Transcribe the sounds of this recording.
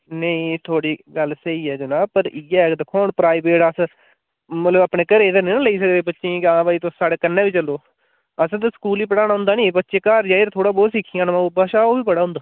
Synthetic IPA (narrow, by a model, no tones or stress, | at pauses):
nəĩːt̪ʰoːɽiːɡəlsəiːɛːd͡ʒoːnãːpəɾiɛːkd̪ɪkʰːɔːɳpɾaːiːbeːɽəs | mət̪ləbaːpɳeːkəɾeːd̪ənĩːnãːləiːs̬əkd̪eːbətːʃʰẽːkãːbaːiːt̪osaːɽeːkənːẽːʋiːt͡ʃəlːoː | əst̪ːsə̥kuːliːpəɽaːñaːɦʊ̃nd̪aːnĩːbətːʃeːkaːɾd͡ʒaːiɾt̪ʰoːɽaːbɔːsɪkʰːijãːnmãːoːbaːʃaːoːbiːpəɽaːɦʊ̃nd̪aː